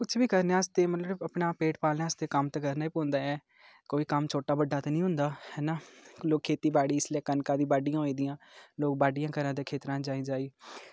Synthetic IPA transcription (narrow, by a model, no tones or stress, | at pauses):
kʊt͡ʃʰbiːkəɾneːaːst̪eːmət̪ləəbəpɳaːpeːʈpaːlneaːst̪eːkəmt̪ekəɾnaːiːpõːnd̪aːɛː | koːiːkəmt͡ʃʰoːʈaːbəɖːaːt̪anĩːɦʊ̃nd̪aːhɛːnaːloːkʰːeːt̪iːbaːɽiːɪslɛːkənkãːd̪ĩːbaːɖijãːɦoːĩːd̪ɪjãːloːk̚baːɖijãːkəɾãːd̪ẽːkʰeːt̪ɾãːd͡ʒaːĩːd͡ʒaːiː